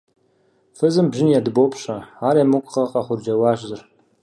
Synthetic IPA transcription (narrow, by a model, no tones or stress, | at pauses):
fɨzɨmbʒɪnjadɨbowpʰɕaaːɾamukʷʼqɐqɑχʷʊrd͡ʒɐwɑːʒʼzɨr